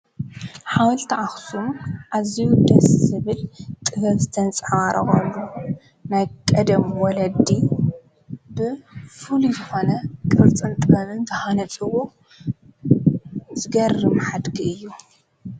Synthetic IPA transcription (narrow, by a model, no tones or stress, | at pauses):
ħawɐlt̪ʰɐʕaxsumʔaziwd̪ɐsɨβɨlt̪ʼɨβɐβzɨt̪ʰɐnt͡sʼʕwaɾʔɐɣɐlːu | najkʼɐd̪ɐmwɔlɐd̪i | bɨfɨlujjɨxo̞nɐkʼɨɾt͡sʼɨnt̪ʼɨɐβɨnzɐhanɐtʼɨwo | zɨɡɐrːɨmħad̪ɡiɨjːu